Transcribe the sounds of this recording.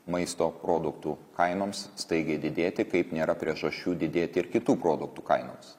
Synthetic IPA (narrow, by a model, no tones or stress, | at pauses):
mɐɪst̪oːpɾoːd̪ʊkt̪uːkɐɪnoːmsst̪ɐɪɡʲɛɪd̪ʲɪd̪ʲeːt̪ʲɪkɐɪpnʲeːɾɐpʲɾʲiɛʒɐʃʲt͡ʃʲuːd̪ʲɪd̪ʲeːt̪ʲɪɪɾkʲɪt̪uːpɾoːd̪ʊk̚t̪uːkɐɪno̰ːms